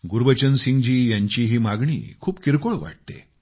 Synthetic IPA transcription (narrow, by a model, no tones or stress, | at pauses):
ɡuɾʋət͡ɕənsiŋɡd͡ʑiːjaɲt͡ɕiɦiːmaɡɳḭːkʰuːpkiɾkoɭʋa̰ʈ̚t̪ḛ